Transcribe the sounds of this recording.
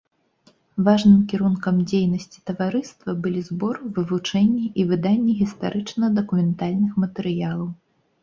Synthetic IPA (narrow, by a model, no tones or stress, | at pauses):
vaʐnɨmkʲiɾunkɐmd͡zʲejnɐsʲt͡sʲi̥t̪ɐvaɾɨst̪vɐbɨlʲizbɔrvɨvut͡ʂɛnʲːɛʔivɨd̪anʲːɛɣʲist̪aɾʔɨt͡ʂnɐɐd̪ɐkumʲɛnt̪alʲnɨxmɐt̪ɛɾɨjalˠɐw